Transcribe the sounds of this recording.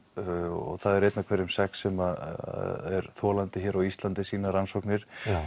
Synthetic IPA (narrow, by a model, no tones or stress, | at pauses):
ɔ̰ɣθaðɛɾejt̪nakʰvɛɾʏmsɛksɛma | ɛ̰ɾθɔːlant̪ɪçɛːɾawist̪lant̪ɪsiːnaɾansɔwknɪɾ̥